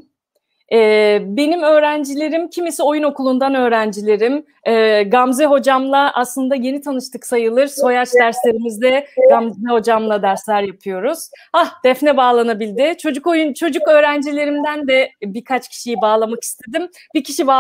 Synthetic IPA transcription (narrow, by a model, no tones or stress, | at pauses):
ɛːbe̞nimø̞ːɾænd͡ʒilʲe̞ɾimcʰimisio̞juno̞kʰulˠund̪anø̞ːɾænd͡ʒilʲe̞ɾim | ɛːɡamzɛɦo̞d͡ʒamlˠaʔaslˠɯnd̪aje̞nit̪ʰanɯʃt̪ʰɯksajɯlˠɯɾso̞jat͡ʃd̪æɾslʲe̞ɾimizd̪ɛɡ̥amzɛho̞d͡ʒamlˠad̪æɾslʲæɾjapʰɯjo̞ɾuz̥hahd̪̥ɛfnɛbaːlˠanabilʲd̪ɪt͡ʃʰo̞d͡ʒuko̞junt͡ʃʰo̞d͡ʒukø̞ːɾænd͡ʒilʲe̞ɾimd̪ænd̪ɛbiɾkʰat͡ʃcʰi̥ʃijibaːlˠamaki̥st̪ʰe̞d̪im | bicʰiʃiba